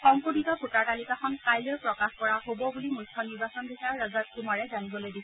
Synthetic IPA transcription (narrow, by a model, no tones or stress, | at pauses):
xɔmputitɔkʰutaɹtalikaxɔnkajlojpɹɔkaxkɔɹaɦobɔbulimujtʰːɔniɹbasɔnbisaaɹɹazat̚kumaɹɛzanibɔlojdisɛ